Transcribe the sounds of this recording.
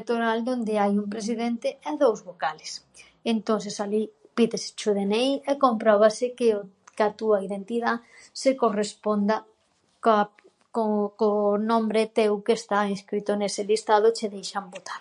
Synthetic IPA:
t̪oɾald̪ond̪ɪajumpɾes̬iðent̪ɪɛðowzβokalɪs | ent̪õnθesali | piðesɪ̥t͡ʃʊðenejɛkompɾɔβasɪkɪ | kat̪uaiðent̪iða | sekorespond̪ɐ | k | kokonõmbɾet̪ewkeːst̪ainskɾit̪ʊnesɪlist̪að̞ʊt͡ʃeðejʃɐmbot̪ḁɾ

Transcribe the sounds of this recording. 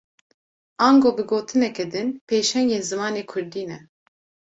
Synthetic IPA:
ʔɑːnɡoːbɨɡoːt̪ʰɨnɛkɛd̪ɨnpʰeːʃɛŋeːnzɨmɑːneːkʰʊɾd̪iːnɛ

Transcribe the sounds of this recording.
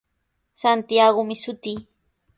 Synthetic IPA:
sant̪ijaɢʊmɪsʊt̪iː

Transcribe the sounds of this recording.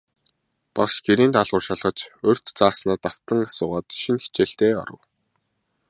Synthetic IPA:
pakʃɡeɾiːnt̪aɮʁʊːrʃaɮʁə̆t͡ɕɵr̥ʲt̪t͡saːsnaːt̪aw̥t̪ə̆ŋasʊːʁaːt̪ʃinxe̥t͡ɕeːɬt̪eːɔ̰ɾə̆w

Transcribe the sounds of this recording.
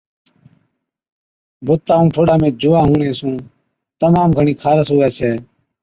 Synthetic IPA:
bʊt̪ːaːũːʈʰoːɽaːmẽːd͡ʒʊʋaːɦũːɳẽːsũː | t̪əmaːmɡʱəɳiːkʰaːɾəsɦoːʋɛːt͡ʃʰeː

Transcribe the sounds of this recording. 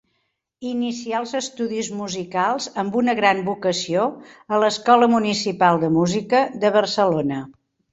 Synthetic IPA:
inisialˠzəst̪uðizmuzikalˠzəmbunəɣɾanbukəsioələskɔləmunisipalˠd̪əmuzikəðəβərsəlonə

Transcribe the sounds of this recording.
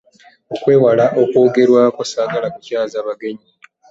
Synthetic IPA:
okwe̞ːwalaʔo̞ko̞ːɡe̞ɾwakwasaːɡalakucaːzaːβaɡe̞ɲi

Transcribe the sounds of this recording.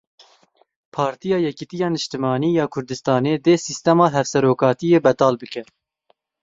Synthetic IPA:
pʰɑːɾt̪ijɑːjɛkit̪ijɑːnɨʃt̪ɨmɑːniːjɑːkʰʊɾd̪ɨst̪ɑːneːd̪eːsist̪ɛmɑːɦɛfsɛɾoːkɑːt̪ijeːbɛd̪ɑːlbɨkɛ

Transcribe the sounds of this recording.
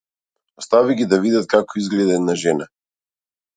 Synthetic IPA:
ɔst̪aviɡʲid̪avid̪at̪̚kakɔizɡlɛd̪ɛnaʒɛna

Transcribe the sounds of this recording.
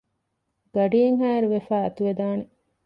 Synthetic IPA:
ɡ̥ɐɖiːeŋɦæːɾuʋefæːɐt̪uʋed̪aːne

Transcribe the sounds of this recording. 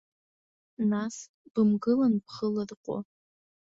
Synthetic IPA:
nas | b̥ɨmɡɨlanpχəlarqʷʼo̰

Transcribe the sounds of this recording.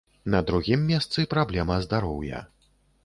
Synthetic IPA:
nɐd̪ɾuɣʲimːʲɛst̪sɨpɾablʲɛmɐzd̪aɾɔwjɐ̰

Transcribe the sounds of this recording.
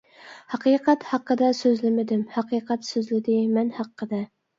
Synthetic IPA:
hɑqʰiːqʰæt̪hɑqːəd̪ɑsøzlɪmɪd̪ɪmhɑqʰiːqʰɛt̪søzlɪd̪ɪmɛnhɑqːəd̪ɛ

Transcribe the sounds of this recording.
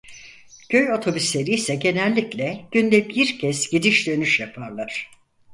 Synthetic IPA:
ɟ̥ø̞jo̞t̪ʰo̞byslʲe̞ɾijsɛɟe̞nɛlʲːiclʲɛɟ̥ynd̪ɛbiɾcʰɛsɟ̥id̪iʃd̪ø̞nyʃjapʰaɾlˠaɾ̥

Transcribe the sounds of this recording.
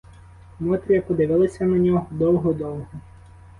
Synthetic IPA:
mɔt̪ɾʲijɐpɔd̪ɪʋɪlˠɐsʲɐnɐnʲɔɦɔd̪ɔwɦɔd̪ɔwɦɔ

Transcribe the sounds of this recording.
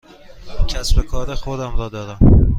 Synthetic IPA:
cʲʰæsbekʰɒːɾexod̪æmɾɒːd̪ɒːɾæm

